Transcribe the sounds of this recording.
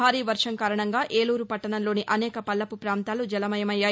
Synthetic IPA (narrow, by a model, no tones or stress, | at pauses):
aːɾiːʋɐɾʂɐŋkaːɾɐɳɐŋɡaːʔʔe̞ːluːɾupɐʈːɐnɐnlo̞ːniʔɐnɛːkɐpɐlːɐpupɾaːnt̪aːlud͡ʒɐlɐmɐjɐmɐjːaːj